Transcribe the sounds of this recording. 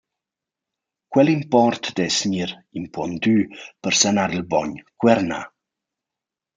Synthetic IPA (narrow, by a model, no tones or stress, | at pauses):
kwɛlimpɔɾt̪d̪ɛsɲiɾ | impɔnd̪ypəɾsanaɾilbɔɲkwɛɾna̰